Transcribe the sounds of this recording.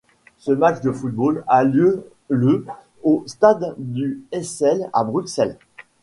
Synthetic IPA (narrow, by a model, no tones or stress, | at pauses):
səmat͡ʃd̪əfut̪̚bolaljø | lə | ost̪ad̪ːyɛsɛla̰bʁyksɛl